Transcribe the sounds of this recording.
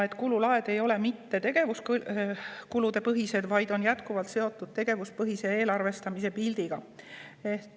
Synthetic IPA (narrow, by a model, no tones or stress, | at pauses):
e̞t̪kululɑe̞d̪̥e̞jo̞le̞mit̪ːe̞t̪e̞ɡ̥e̞vusk | kulud̪̥e̞pɤɦise̞d̪vɑjd̪̥o̞njæt̪kuvɑlt̪se̞o̞t̪ːˑud̪̥̚t̪e̞ɡ̥e̞vuspɤɦise̞e̞ːlɑrve̞st̪ɑmis̬e̞pild̪̥iɡ̥ɑet̪ː